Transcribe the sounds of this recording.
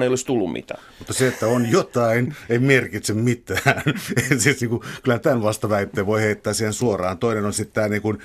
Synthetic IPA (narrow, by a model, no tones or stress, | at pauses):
eijolist̪ulːummḭt̪æːmut̪ːɑseet̪ːæonjot̪ɑineimerkit̪semmit̪æːneæsiːsniːŋkukylæhænt̪ænʋɑst̪ɑʋæit̪ːeːʋoiheit̪ːæːsiːhensuorˑɑːnt̪oinenonsit̪t̪æːniːŋkun